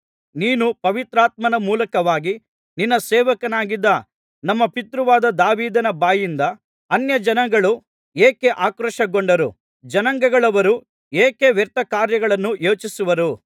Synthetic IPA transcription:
niːnupɐʋit̪ɾaːt̪̚mɐnɐmuːlɐkɐʋaːɡi | ninːɐsɛːʋɐkɐnaːɡid̪ːɐ | nɐmːɐpit̪ɾuʋaːd̪ɐd̪aːʋiːd̪ɐnɐbaːjind̪ɐ | ɐnjɐd͡ʒɐnɐŋɡɐɭu | eːkeʔaːkɾɐʂɐɡoɳɖɐɾu | d͡ʒɐnɐŋɡɐɡɐɭɐʋɐɾu | eːkeʋɛɾt̪ɐkaːɾjɐɡɐɭɐnːujoːt͡ʃisuʋɐɾu

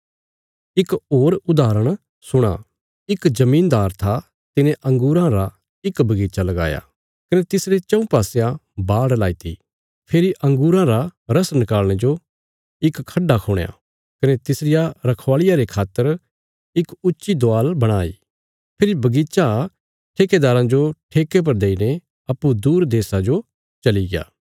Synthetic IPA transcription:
ɪkoːɾʊd̪aːɾəɽ̃ | sʊɽ̃a̰ | ɪkzɐmĩːnd̪aːɾt̪ʰa | t̪ɪnẽʔɐ̃ŋɡuːɾãɾa | ɪkbɐɡiːt͡ʃalɐɡa̰ːja̰ | kɐnet̪ɪsɾet͡ʃɐ̃ũpaːsejãbaːɽlaːit̪ʰḭ | pʰeːɾiʔɐ̃ŋɡuːɾãɾaɾɐsnɪkaːlɽ̃ed͡ʒo | ɪkkʰːɐɖːakʰʊːɽ̃ja̰ | kɐnet̪ɪsɾɪjaɾɐkʰʋaːɭɪjaɾekʰaːt̪ːəɾ | ɪkʊtːʃid̪oaːlbɐɽ̃aːḭː | pʰɪɾibɐɡiːt͡ʃa | ʈʰeːked̪aːɾãd͡ʒoʈʰeːkep̬ɐɾd̪eːine | ɐpːud̪uːɾd̪eːsad͡ʒo | t͡ʃɐliɡeja̰ː

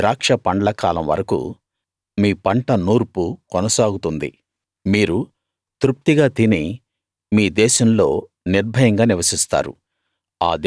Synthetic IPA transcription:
ɾaːkʂɐpɐɳɖlɐkaːlɐ̰mʋɐ̰ɾɐkṵ | miːpɐɳʈɐnuːɾpukɔnɐsaːɡut̪und̪ḭ | miːɾu | t̪ɾup̚t̪iɡaːt̪ini | miːd̪ɛːʃɐmlo̞̰ː | niɾbʱɐjɐŋɡaːniʋɐsist̪a̰ːɾṵ | a̰ːd̪

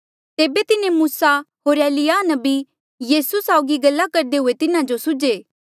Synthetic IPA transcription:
t̪eːbet̪ɪnẽmuːsaɦoːɾeːlɪjanɐbi | jiːsusaːʊɡiɡɐlːakɐɾd̪eɦʊet̪ɪnãd͡ʒosʊd͡ʒeː

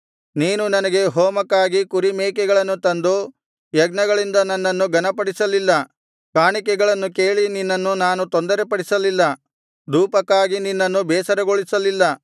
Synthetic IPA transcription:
niːnunɐnɐɡe̞ɦɔːmɐkːaːɡikuɾimɛːkɛɡɐɭɐnːut̪ɐnd̪u | jɐɡnɐɡɐɭind̪ɐnɐnːɐnːuɡɐnɐpɐɽisɐlilːɐ | kaːɳikɛɡɐɭɐnːuke̞ːɭininːɐnːunaːnut̪ond̪ɐɾepɐɽisɐlilːɐ | d̪uːpɐkːaːɡininːɐnːubɛːsɐɾɐɡoɭisɐlilːɐ

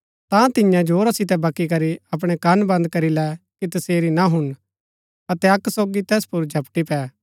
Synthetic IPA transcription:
t̪ãt̪ɪjãd͡ʒoːɾasɪt̪̬ɛbɐkːik̬ɐɾiɐp̬ɽ̃ɛkɐnbɐ̃nd̪̚kɐɾilɛkit̪ɐseːɾinaɦʊn | ɐt̪ɛɐksoːɡit̪ɛːspʊɾd͡ʒʱɐpʈipɛː

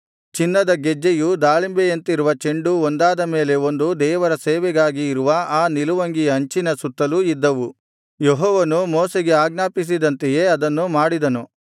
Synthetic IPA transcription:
t͡ʃinːɐd̪ɐɡed͡ʒːejud̪aːɭimbejɐnt̪iɾuʋɐt͡ʃeɳɖuond̪aːd̪ɐme̞ːle̞o̞nd̪ud̪ɛːʋɐɾɐseːʋɛɡaːɡiːɾuʋɐaːniluʋɐŋɡijɐːɲt͡ʃinɐsut̪ːɐluid̪ːɐʋu | jeɦɔːʋɐnumoːseɡeaːɡnaːpis̬id̪ɐnt̪eje̞ːɐd̪ɐnːumaːɽid̪ɐnu

